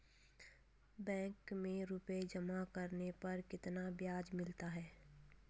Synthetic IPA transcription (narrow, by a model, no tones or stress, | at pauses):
bɛ̃ːŋkmẽɾʊped͡ʒɐmakɐɾnepɐɾkɪt̪nabjaːd͡ʒmɪlt̪aɦɛː